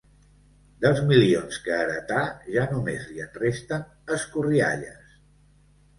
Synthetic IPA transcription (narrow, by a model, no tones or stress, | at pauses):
d̪əlˠzmilionskəːɾət̪aʒanumezliənrest̪ən | əskuria̰ʎəs